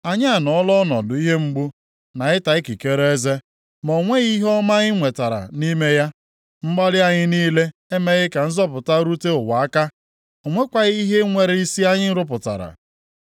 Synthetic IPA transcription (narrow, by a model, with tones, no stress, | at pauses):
a˨ɲɪ˦a˨nɔ˨ɔ˦lɔ˦nɔ̰˨dʊ˨i˦ɦe˦ŋ͡m̩˦ɡ͡bu˦ | na˨ɪ˦ta˨ɪ˦ki˨ke˦ɾe˦ze˦ | mɔ˨ŋʷe˦ɣi˦ɦɔ˦ma˦ɣɪ˦ŋʷe˨ta˨ɾa̰˨ni˦me˦ja˦ | m̩˦ɡ͡ba˦ɾɪ˦a˦ɲɪ˦niː˦le˦e˦me˦ɣɪ˦ka˨n̩˦zɔ˦pʊ˨ta˦ɾu˦te˦ʊ˨wa˨a˦ka˦ | o˨ŋʷe˦kʷa˨ɣi˦ɦe˦ŋʷe˨ɾe˦i˦si˦a˦ɲɪ˦n̩˦ɾʊ˦p̬ʊ˨ta̰˨ɾa̰˨